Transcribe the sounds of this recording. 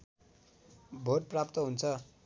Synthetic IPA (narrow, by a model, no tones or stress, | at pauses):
bʱoʈ̚prapt̪ʌɦunt͡sʰʌ